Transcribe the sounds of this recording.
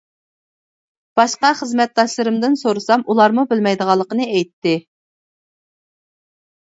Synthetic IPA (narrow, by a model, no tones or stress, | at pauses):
b̥ɑʃqɑχəzmɛt̪̚d̪ɑʃlˠɨɾɨmd̪ɪnsoɾɨsɑmʔulˠɑɾmubɪlmɛjd̪əʁɑlˠːəqənɨɛjt̪ːɪ